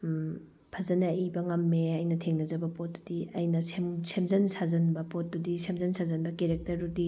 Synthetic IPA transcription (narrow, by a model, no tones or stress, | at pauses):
pʰɐzɐnɐibɐŋɐmːeɐjnɐtʰeŋnɐzɐbɐpot̚du̥diɐjnɐsemsemzɐnsazɐnbɐpot̚dudisemzɐnsazɐnbɐkeɾek̚tɐɾudi